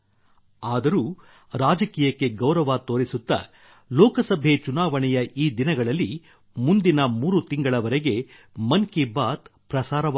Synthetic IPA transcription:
aːd̪ɐɾuː | ɾaːd͡ʒɐkiːjɐkːe̞ɡɐwɾɐʋaːt̪o̞ːɾisut̪ːɐ̰ | lɔːkɐsɐbʱet͡ʃunaːʋɐɳɛjɐʔiːd̪inɐɡɐɭɐlːi | mund̪inɐmuːɾut̪iŋɡɐɭɐʋɐɾeɡe̞ | mɐŋkibaːt̪pɾɐsaːɾɐʋ

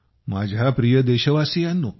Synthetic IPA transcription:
ma̰d͡ʑʱapɾijəd̪eɕəʋasijanːuː

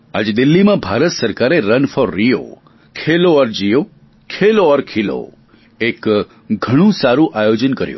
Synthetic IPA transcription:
a̰d͡ʒed̪ilːimãbʱaɾət̪səɾkaɾeɾənfɔɾːijo̰ | kʰeloəɾd͡ʒijo | kʰeloəɾkʰilo̰ | ek | ɡʱəɽ̃ũsaɾũʔajod͡ʒənkəɾjṵ̃

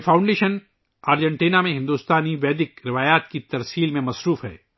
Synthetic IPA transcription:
fʰãːʊ̃ɳɖeːʃən | aːɾd͡ʒɛ̃ɳʈiːnamẽɦɪ̃nd̪uːst̪aːniʋɛːd̪ɪkɾɪʋaːjaːt̪kit̪ɐɾsiːlmẽmɐsɾuːfɦɛ̰ː

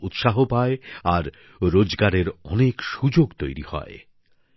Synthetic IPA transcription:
ut̪ʃaɦopaeaɾ | ɾod͡ʑɡaɾeɾɔnekʃud͡ʑoɡt̪ojɾḭhɔ̰e

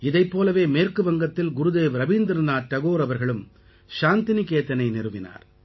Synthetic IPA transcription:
ɪðɐɪpːoːlɐʋeːmeːrkɯʋɐŋɡɐt̪ːɪlɡʊɾɯðeːʋɾɐʋiːnd̪ɾɯnaːʈ̪̚ːɐɣoːɾɐʋɐɾɣɐɭɯm | ʃaːnt̪ɪnikeːt̪ːɐnɐɪnɪrɯʋɪna̰ːɾ

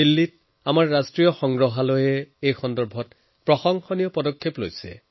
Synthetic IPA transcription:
ilːit̚ | amaɹːastɹijɔxɔŋɡɹɔɦalojɛejxɔndɔɹbʱɔt | pɹɔxɔŋxɔnijɔpɔdɔkʰːeplo̰jsɛ̰

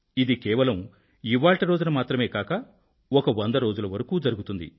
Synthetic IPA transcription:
id̪ikɛːʋɐlɐm | iʋaːɭʈiɾo̞ːd͡ʒunɐmaːt̪ɾɐme̞ːkaːkɐ | ɔkɐʋɐnd̪ɐɾo̞ːd͡ʒulɐʋɐɾɐkuːd͡ʒɐɾuɡut̪und̪ḭ

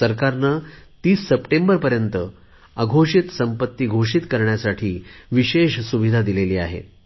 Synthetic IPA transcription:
səɾkaɾnət̪iːsːəpʈembəɾpəɾjənt̪ə | aɡʱoʂit̪səmpət̪ːiːɡʱoʂit̪kəɾɳjasaʈʰiːʋiɕeʂsuʋid̪ʱad̪ileliːa̰ɦḛ

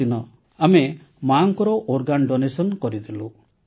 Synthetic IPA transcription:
inɔ | ame | maŋkɔɾɔʔoɾɡanɖonesɔnkɔɾid̪ʰilu

